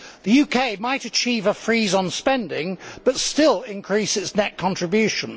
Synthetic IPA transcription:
ðəjʉːkʰeɪmaɪtɨt͡ʃʰiːvəfɹiːzn̩spɛ̃ndɪ̃ŋb̥ʌtstɪlˠɪ̃nkʰɹ̥iˑsɪtsnɛʔ̚kʰɒ̃ntɹ̥ɪbjʉˑʃə̃n

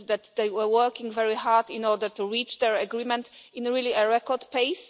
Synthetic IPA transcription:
ðæt̪ðeɪwə˞wɜ˞kĩŋvɛɹihaɹdĩnɔɹdətuɹit͡ʃðɛɹəɡɹimɛ̃ntɪ̃nɹiliəɹɛkɔdpeɪs

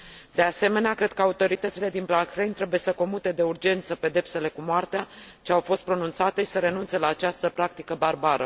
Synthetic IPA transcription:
d̪e̞ase̞me̞neakɾe̞d̪̥̚kəaut̪o̞ɾit̪ət̪sile̞d̪inplaŋkxɾejnt̪ɾe̞buje̞səko̞mut̪e̞d̪e̞urd͡ʒe̞nt̪səpe̞d̪e̞pse̞le̞kumoart̪eat͡ʃeawfo̞st̪̚pɾo̞nunt̪sat̪e̞ʃi̥səɾe̞nunt̪se̞laːt͡ʃast̪əpɾak̚t̪ikəbarbaɾə̰

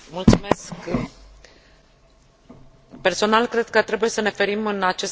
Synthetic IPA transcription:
mult̪sumesk | pe̞rso̞nalkɾe̞d̪̥̚kət̪ɾe̞buje̞səne̞fe̞ɾimɨnat͡ʃe̞s

